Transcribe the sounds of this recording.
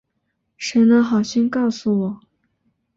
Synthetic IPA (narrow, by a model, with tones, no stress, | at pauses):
ʂə˧˥nə˧xɑ˨˩ʊɕɛ˥nkɑ˥˩ʊsu˨˩wɔ˨˩˦